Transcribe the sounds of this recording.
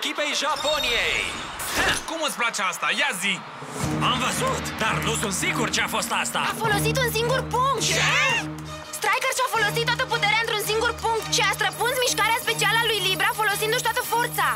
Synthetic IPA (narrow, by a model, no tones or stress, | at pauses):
ekʲipejʒaponiejj | kumɨt̪sʲplat͡ʃeast̪ajazik | amvəzut̪d̪arnusunt̪siɡurt͡ʃeafo̞st̪ast̪a̰afo̞lo̞sit̪unsiŋɡurpuŋkt̪d̪a | st̪ɾajkərsafo̞lo̞sit̪ːat̪əput̪eɾeaɨnt̪ɾunsiŋɡurpuŋk̚t̪ʃiast̪ɾəpunsmiʃkaɾeaspe̞t͡ʃialalujlibɾafo̞lo̞sind̪uʃt̪oat̪əfo̞rt̪sa